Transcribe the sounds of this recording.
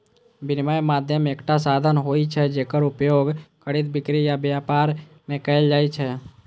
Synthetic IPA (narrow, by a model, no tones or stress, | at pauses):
bʱɪnɪmaːemaːd̪ʱjəmeːkʈasaːd̪ʱənɦoːit͡ʃʰɛd͡ʒeːkəɾʊpjoːɡkəɽɪt̪̚bɪkɾijabjaːpaːɾ | mẽkɛɪld͡ʒaːit͡ʃʰɛ